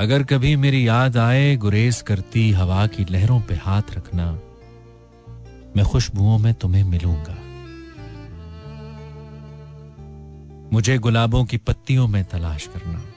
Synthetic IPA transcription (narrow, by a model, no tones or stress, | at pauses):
ɐɡəɾkɐbʱimeːɾijaːd̪aːeɡʊɾeːskɐɾt̪iɦɐʋaːkilɛɦɾõpehaːt̪ʰɾɐkʰna | mɛ̃ːxʊʃbʱuõmẽt̪ʊmẽmɪlũːɡaː | mʊd͡ʒʱeɡʊlaːbõkipɐt̪ːijõmẽt̪ɐlaːʃkɐɾna̰ː